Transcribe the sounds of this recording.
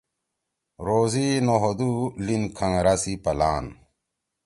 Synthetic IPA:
ɾoːzinoɦod̪ulinkʰãŋɾasipɐlaːn

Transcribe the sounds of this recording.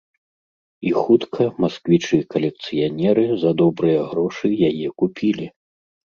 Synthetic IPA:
ixut̪kʰɐmaskvʲit͡ʂɨjɐkɐlʲɛk̚t̪sɨjanʲɛɾɨzɐd̪ɔbɾɨjɐɣɾɔʂɨjajɛkupʲʰilʲi

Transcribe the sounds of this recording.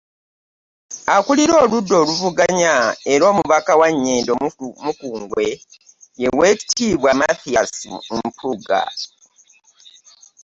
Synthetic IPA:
akuliɾo̞ːludːo̞ːluvuɡaɲaeɾo̞ːmuβakawaɲːe̞ːndomukuːŋɡwe̞ | je̞we̞ːki̥tiβwamaθijasimpʰuɡa̰

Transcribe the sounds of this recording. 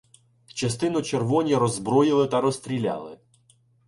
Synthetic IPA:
t͡ʃɐst̪ɪnʊt͡ʃerʋɔnʲiɾɔzbɾɔjɪlˠɪt̪ɐɾɔst̪ɾʲilʲa̰lˠɪ

